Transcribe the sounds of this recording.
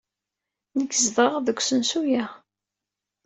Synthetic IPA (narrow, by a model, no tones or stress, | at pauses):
nəkːəzðˤəʁðəkʷːsənsujæ